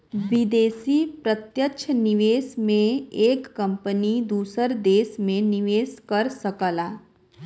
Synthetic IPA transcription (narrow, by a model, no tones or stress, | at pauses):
ʋɪd̪eːsiːpɾət̪jəʃʰnɪʋeːsmẽeːkːɐ̃mpənid̪uːsəɾd̪eːsmẽnɪʋeːskəɾsəkəlaː